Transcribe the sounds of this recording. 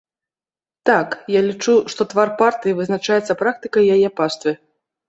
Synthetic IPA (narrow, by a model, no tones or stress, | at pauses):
t̪akjalʲit͡ʂuʂt̪ɔt̪varpart̪ɨjivɨznat͡ʂajɛt̪sːɐpɾak̚t̪ɨkɐjjːajɛpast̪vɨ